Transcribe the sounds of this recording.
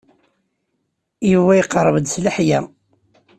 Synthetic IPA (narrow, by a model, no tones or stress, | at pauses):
iwæjqəɾˤːəvəd̪sləħjæ